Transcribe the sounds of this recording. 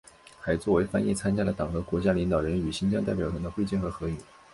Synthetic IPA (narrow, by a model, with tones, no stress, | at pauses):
xa˧˥ɪt͡swɔ˥˩we˧˥ɪfa˥njɛ˥˩t͡sʰa˥nt͡ɕja˥d̪ə˨˩t̪ɑ˨˩ŋxɤ˧˥kwɔ˧˥t͡ɕja˥li˧˥ŋt̪ɑ˨˩ʊɻə˧˥ny˨˩ɕi˥nt͡ɕjɑ˥ŋt̪a˥˩ɪpjɑ˨˩t̪ʰɤ˧˥ŋd̪ə˧xwt͡ɕjɛ˥˩nxɤ˧˥xɤ˧˥y˨˩˦